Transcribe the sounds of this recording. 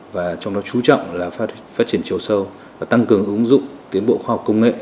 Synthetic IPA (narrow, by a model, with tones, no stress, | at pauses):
vaː˨˩t͡ɕɔ˧wŋ͡mɗɔ˨˦t͡ɕu˨˦t͡ɕɔ̰˧˨wŋ͡mlaː˨˩f | faː˦˥t̚t͡ɕi˧˩ənt͡ɕi˨˧əwsə˧w | vaː˨˩t̪a˧ŋkɨ˨˩əŋʔɨ˨˦ŋzʊ̰˧˨ŋ͡mt̪i˨˦ənɓo̰˧˨xwaː˧hɔ˨˩k͡p̚kə˧wŋ͡mŋḛ˧˨